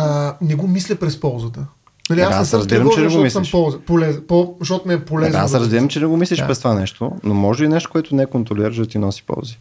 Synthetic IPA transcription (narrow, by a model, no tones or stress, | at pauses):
nɛɡomislʲəpɾɛspɔlˠzət̪ə | nɐliasasɐzb̪iɾɐmt͡ʃɛnɛɡomislɛmʃpɔlˠzəpolɛzpoʃt̪ɔt̪ʊnɛɛpolɛzasɾɐzbiɾəmt͡ʃɛnɛɡomislʲiʃpɾɛst̪ovanɛʃt̪onomɔʒəinɛʃt̪o̥koɛt̪ʊnɛɛkont̪ɾoliɾəʃd̪ɐt̪inɔsi̥pɔ̰lˠzi